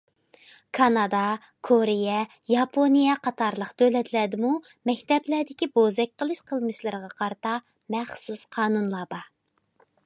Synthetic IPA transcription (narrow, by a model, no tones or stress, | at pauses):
kʰɑnɑd̪ɑ | kʰoɾɪjɛ | jɑpʰonijɛqʰɑt̪ʰɑɾlˠəqt̪ʰølɛt̪ʰlɛd̪ɪmu | mɛkʲt̪ɛblæɾd̪ɪkʲibozɛk̚ʲqʰəlˠɨʃqʰəlˠmɨʃlˠɨɾəʁɑqʰɑɾɨt̪ɑ | mɛχsusqʰɑːnunlˠɑbɑ